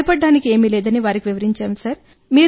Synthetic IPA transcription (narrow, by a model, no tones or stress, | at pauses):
pɐɖːaːnike̞ːmiːlɛːd̪ɐniʋaːɾikiʋiʋɐɾiɲt͡ʃaːmsɐɾ | miː